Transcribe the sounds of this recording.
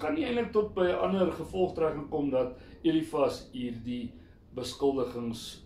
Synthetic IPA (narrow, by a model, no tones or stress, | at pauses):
kɐniɛjntlək̚tɔt̚bəjəʔɐnərχəfɔlˠχtrækəŋkomdɐtiɾifɐsɦiːrdi | bəskəlˠdəχəŋs